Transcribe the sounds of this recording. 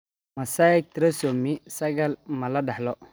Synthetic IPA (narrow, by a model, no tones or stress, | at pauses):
masajɛk̚t̪ɾasomisɐɡalmaladalɔ